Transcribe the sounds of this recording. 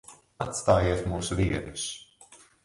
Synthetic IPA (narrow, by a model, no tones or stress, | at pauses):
at̪st̪aːjiɛt̪muːsuviɛd̪u̥s